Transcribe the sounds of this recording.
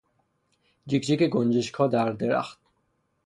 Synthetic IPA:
d͡ʒikd͡ʒikeɡond͡ʒiʃkʰɒːd̪æɾd̪eɾæ̰xt̪̚

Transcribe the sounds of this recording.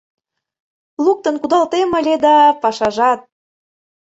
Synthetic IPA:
luk̚t̪ə̆nkud̪ɑlt̪emə̆lʲed̪ɑpɑʃɑʒɑt̪̚

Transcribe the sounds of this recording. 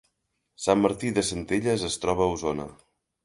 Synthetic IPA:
samːəɾt̪iðəsənt̪eʎəzəst̪ɾɔβ̞əːuzonə̰

